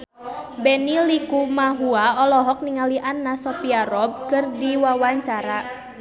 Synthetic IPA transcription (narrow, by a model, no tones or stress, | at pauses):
bɛnilikumaɦuaɔlɔɦɔk̚niŋaliʔanːasɔpiaɾɔb̚kɨrdiwawaɲt͡ʃaɾa